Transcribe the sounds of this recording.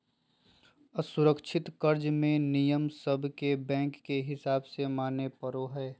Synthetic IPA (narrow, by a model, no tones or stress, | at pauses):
əsʊɾəkʃʰɪt̪kəɾd͡ʒmẽnijəmsəbʱkebɛ̃ːŋkːeɦɪsaːbsemaːnepəɾoɦɛː